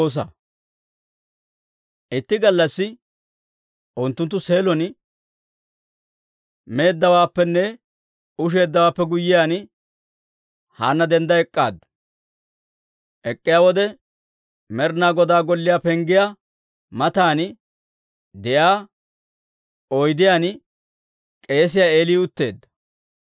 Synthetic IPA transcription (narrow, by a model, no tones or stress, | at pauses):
oːs̬ɐ̰ | ʔɪt̪ːɪɡɐlːɐsːɪ | ʔʊnt̪ːʊnt̪ːʊse̞ːlɔn | me̞ːd̪ːɐwaːpːɛnːɛ | ʊʃ̬e̞ːd̪ːɐwaːpːɛɡʊjːɪjaːn | ha̰ːnːɐd̪ɛnd̪ɐɛkʼːa̰ːd̪ɐ | ʔɛkʼːɪjaːwɔd̪ɛ | mɛɾnaːɡɔd̪aːɡɔlːɪjaːpɛŋɡɪja | mɐt̪aːn | d̪ɛʔaː | ɔjd̪ɪjaːn | kʼe̞ːs̬ɪjaːe̞ːliːʊt̪ːe̞ːd̪ːɐ̥